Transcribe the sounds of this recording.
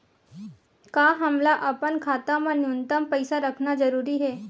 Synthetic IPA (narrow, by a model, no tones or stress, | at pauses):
kaːɦɐmlaʔɐpənkʰaːt̪ãmãnjʊnt̪əmpəɪsaɾəkʰnazɐɾuːɾiɦɛː